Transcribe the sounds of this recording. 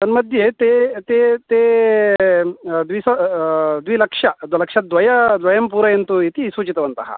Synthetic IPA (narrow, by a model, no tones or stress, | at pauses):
t̪ɐnmɐd̪ʱjet̪et̪et̪eː | d̪ʋisɐd̪ʋilɐkʂɐd̪ʋɐlɐkʂɐd̪ʋɐjɐd̪ʋɐjɐmpuːɾɐjent̪uit̪isuːt͡ʃit̪ɐʋɐnt̪ɐ̰ɦɐ̰